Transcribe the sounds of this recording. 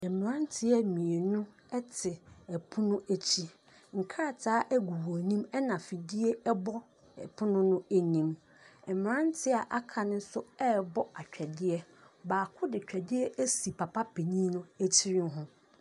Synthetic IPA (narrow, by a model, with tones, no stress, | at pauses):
ɛ˨mɪ˨ɾã˦n˦tʰɪ˦ɛ˦mĩ˨e˨nʊ̃˦ | ɛ˦tʰɪ˨ɛ˨pʰʊ˦nʊ̃˦ʔæ˦t͡ɕʰi˦ | ŋ̩˨kʰa˦˨tʰaː˨˦ʔæ˦ɡu˨wo˨nĩ˦mɛ˦nã˨fi˨di˦e˦ɛ˦bɔ˦ | ɛ̰˨pʰʊ˦nʊ̃˦nʊ̃˦æ˦nĩ˨m | ɛ˨mɪ˨ɾã˦n˦tʰɪ˦a˨ʔa˦kʰã˨nʊ̃˦n̩˦sʊ˦ɛ˦bɔ˦a˨t͡ɕᶣɛ˨dɪ˦ɛ˦ | baː˨kʰʊ˦dɪ˨t͡ɕᶣɛ˨dɪ˦ɛ˦ʔæ˦si˨pʰa˨pʰa˦pʰe˨ɲĩ˦nʊ̃˦æ˦t͡ɕʰi˦ɾɪ̃˦nɦʊ̃˦